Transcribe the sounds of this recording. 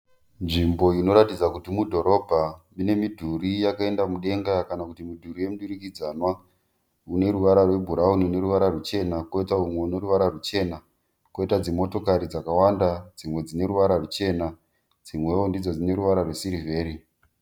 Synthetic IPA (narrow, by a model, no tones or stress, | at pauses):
nʐimbo̞ino̞ɾatid͡zakutimudʱo̞ɾo̞bʱamine̞midʱuɾijakae̞ndamuɗe̞ŋɡakanakutimidʱuɾije̞muɗuɾikid͡zanwa | une̞ɾuʋaɾarwe̞bʱuɾaunine̞ɾuʋaɾarut͡ʃe̞nako̞itaumwe̞uneɾuʋaɾarut͡ʃe̞ːna | koitad͡zimo̞to̞kaɾid͡zakawandad͡zimwe̞d͡zine̞ɾuʋaɾarut͡ʃe̞na | d͡zimwe̞ondid͡zod͡zine̞ɾuʋaɾarwe̞siɾive̞ːɾi